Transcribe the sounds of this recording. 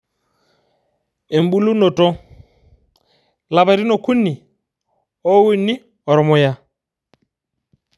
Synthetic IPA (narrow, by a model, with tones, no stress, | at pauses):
e˨m˦bu˦lu˦nɔ˨tʼɔ˦ | la˨βa˨ɾi˦nɔ˨kʰu˦ni˨ | ɔ˦wu˦ni˦ | ɔ˨ɾɔ˨mɔ˨ja˦